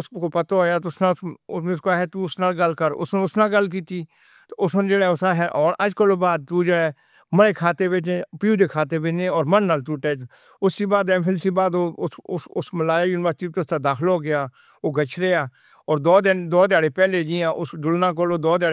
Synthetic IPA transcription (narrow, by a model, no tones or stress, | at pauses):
ʊskoːpət̪ooːjaːt̪ʊsnaʊmeʊskoaːɦɛːt̪uːʊsnaːlɡəlkəɾʊ̰snːʊsnãːɡəlk̬iːt̪iː | t̪ːʊsnd͡ʒeːɽɛːʊsaːɦɛːʔɔːɾəd͡ʒkəloːbaːd̪̚t̪uːd͡ʒeɽɛː | məɽeːkʰaːt̪eːbeːnẽːpɪjuːd̪eːkʰaːt̪eːbenẽːɔːɾmənːaːlt̪uːʈɛːd͡ʒ | ʊsːiːbaːd̪ɛ̃ːpʰlsiːbaːd̪oːʊʊʊsməlaːjaːjuːnɪʋəɾsʈiːp̪eʊst̪aːd̪aːkʰloːɡɪjaː | oːɡət͡ʃʰɾeaː | ɔːɾd̪ɔːd̪ɪnd̪ɔːd̪jaːɽeːpɛːleːd͡ʒijãːʔʊsɖʊlnaːk̬əloːd̪ɔːd̪aːɽe